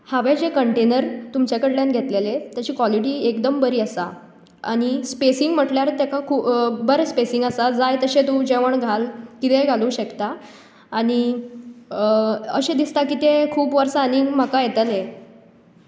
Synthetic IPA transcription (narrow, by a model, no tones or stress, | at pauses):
haʋed͡ʑekəɳʈenəɾt̪umt͡ɕjakəɽljanɡʱet̪lelet̪jat͡ɕiːkʋɔliʈiːekd̪əmbəɾiːəsa̰ | a̰ɽ̃ispesiŋɡm̤əʈljaɾt̪jakakʰuːbəɾspesiŋɡəsad͡zajt̪əɕẽt̪ũd͡ʑeʋəɳɡʱalkit̪eɡʱaluːɕəkt̪aː | ɽ̃i | ə̰ɕẽd̪ist̪akit̪ekʰuːpʋəɾsaaniŋɡm̤akajet̪əle